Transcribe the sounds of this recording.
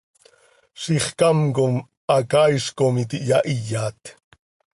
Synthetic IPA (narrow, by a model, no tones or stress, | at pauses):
ʃiχkamkom | ʔɑkajʃkomit̪iʔjaʔijaːt̪